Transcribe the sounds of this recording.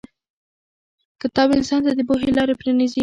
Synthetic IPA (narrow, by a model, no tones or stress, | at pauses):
kət̪ɑbɪnsɑnt̪ad̪əboɦelɑɾepɾenizi